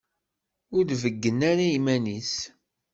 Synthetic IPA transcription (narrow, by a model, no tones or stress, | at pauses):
ʊɾðvəɡːənaɾaimænis